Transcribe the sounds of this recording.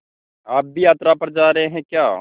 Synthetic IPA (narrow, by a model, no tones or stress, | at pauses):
aːp̚bʱijaːt̪ɾapəɾd͡ʒaːɾəɦeɦɛ̃kjaː